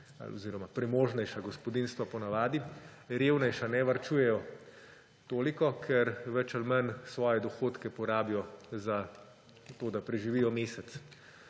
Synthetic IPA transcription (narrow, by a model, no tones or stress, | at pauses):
a̰lɔ̰ziːɾɔmapɾɛmoːʒnɛjʃaɡɔspɔd̪inst̪ʋapɔnaʋaːd̪i | ɾeːwnɛjʃanɛʋaɾt͡ʃuːjɛjɔ | t̪oːlikɔkʰɛɾʋɛt͡ʃalmɐnsʋɔːjɛd̪ɔxoːt̪kɛpɔɾaːbijɔza | t̪oːd̪apɾɛʒiʋiːjɔmeːsɛt̪s